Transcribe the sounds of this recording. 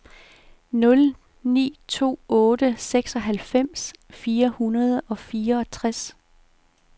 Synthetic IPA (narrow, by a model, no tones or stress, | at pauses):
nɔ̽l | nḭːt͡sʰo̝̰ːɔ̽ːd̥əseɡ̥sɒ̽ɦælfem̰sfiːɐhunɐð̞ˠɒ̽fiːɐɒ̽t͡sʰʁas